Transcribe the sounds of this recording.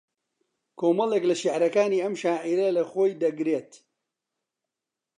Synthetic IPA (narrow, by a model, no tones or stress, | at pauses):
kʰoːmɐlˠeːklɐʃiʕɾɐkaːniːɐmʃaːʕiɾɐlɐxoːjd̪ɐɡɾeːt̪